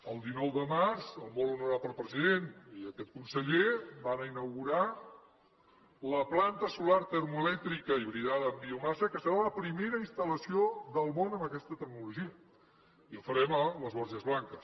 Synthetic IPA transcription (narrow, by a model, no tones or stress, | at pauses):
əlˠd̪inɔwðəmarzəlˠmonunəɾapəlˠpɾəziðeniəkɛt̪̚kunsəʎebanəinəwɣuɾa | ləplant̪əsulaɾt̪əɾmuəlɛk̚t̪ɾikəiβɾiðaðəːmbiumasəkəsəɾaləpɾimeɾəinst̪ələsioðəlˠmonəmbəkɛst̪ət̪əɾnuluʒiə | iəlˠfəɾɛmələzβɔɾʒəzβlaŋkəs